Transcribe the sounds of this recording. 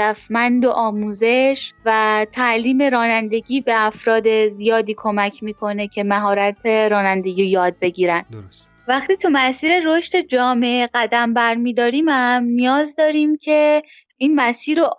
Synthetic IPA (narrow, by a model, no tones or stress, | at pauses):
æfmænd̪oʔɒːmuːze̞ʃvæt̪ʰæʔliːme̞ɾɒːnænd̪e̞ɟiːbe̞æfɾɒːd̪e̞zijɒːd̪iːkʰo̞mæcʰmiːkʰo̞ne̞cʰe̞mæɦɒːɾæt̪ʰeɾɒːnænd̪e̞ɟijɒːd̪̚be̞ɟiːɾæn | væxt̪iːt̪ʰumæsiːɾe̞ɾoʃt̪e̞d͡ʒɒːmeʔeɣæd̪æmbæɾmiːd̪ɒːɾiːmæmnijɒːzd̪ɒːɾiːmcʰe̞ | iːnmæsiːɾo